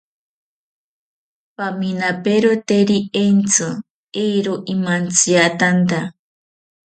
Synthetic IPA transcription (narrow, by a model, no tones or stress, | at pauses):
paminapeɾot̪eɾient͡so | ejɾoʔimant͡siat̪ant̪a